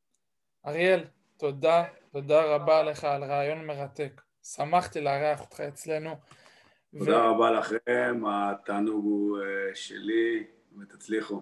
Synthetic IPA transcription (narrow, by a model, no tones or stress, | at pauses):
aʁjel | t̪o̞dat̪o̞daʁabaleχaːlʁaːjo̞nme̞ʁat̪e̞k | samaχt̪ileaʁeaχot̪χae̞t͡sle̞nu | vdaʁabalaχʁeemat̪aːnuɡueʃḛli | met̪at͡sliχu